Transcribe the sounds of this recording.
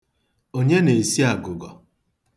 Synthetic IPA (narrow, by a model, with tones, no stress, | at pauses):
o˦ɲe˦ne˨si˦a˨ɡʊ˨ɡɔ˨